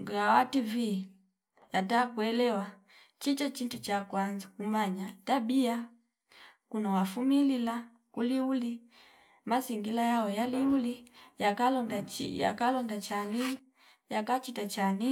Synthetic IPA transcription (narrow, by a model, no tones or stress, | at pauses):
ɡawativi | jatakwɛlɛwa | t͡ʃit͡ʃat͡ʃintut͡ʃakwanzakumaɲatabia | kunawafumilila | kuliuli | masiŋɡilajawɛjaliulijakalɔndaḭja̰kalɔndat͡ʃani | jakat͡ʃitat͡ʃani